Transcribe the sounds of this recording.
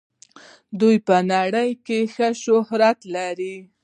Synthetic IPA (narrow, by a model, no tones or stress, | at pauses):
d̪ujpənaɽəjkexəʃʊhɾat̪laɾi